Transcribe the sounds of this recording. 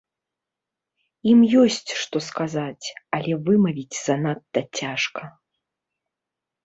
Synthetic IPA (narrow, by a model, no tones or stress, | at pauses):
imjɔsʲt͡sʲʂt̪ɔskazat͡sʲɐlʲɛvɨmɐvʲid͡zʲz̥ɐnat̪ːɐt͡sʲaʂkɐ